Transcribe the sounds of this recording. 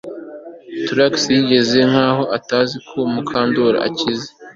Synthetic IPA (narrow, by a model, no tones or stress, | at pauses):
tɾaksjiɟe̞ze̞ŋ̥haːho̞ʔataːzikʰo̞mukʰaːndoɾa̰a̰cize